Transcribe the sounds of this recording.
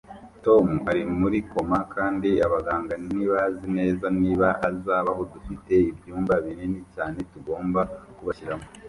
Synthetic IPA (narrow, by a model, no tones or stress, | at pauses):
to̞muaɾimuɾiko̞makʰaːndiaβaɡaːŋɡaniβazine̞ːzaniːβaʔazaːβaho̞dufite̞ibjuːmbaβiɾenicaːne̞tuɡo̞ːmbakuβaʃiɾamo